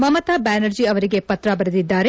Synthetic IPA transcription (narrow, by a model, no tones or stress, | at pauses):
mɐmɐt̪abaːnɐɾd͡ʒiɐʋɐɾiɡe̞pɐt̪ɾɐbɐɾɐd̪id̪ːaːɾe